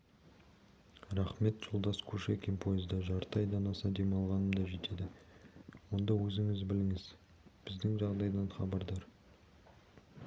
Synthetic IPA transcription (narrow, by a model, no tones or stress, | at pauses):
ɾæχme̞t̪ʒ̥ʊlˠd̪ɑskʰɵʃekʲimpʰo̞jɪzd̪ɑʒɑɾt̪ɑjd̪ɑnɑsɑd̪e̞mɑlˠʁɑnəmd̪ɑʒe̞t̪e̞d̪ɪ | wo̞nd̪ɑwɵzɪŋɪzbɪlɪŋɪz | b̥ɪzd̪ɪŋʒɑʁd̪ɑjd̪ɑnχɑbɑɾd̪ɑɾ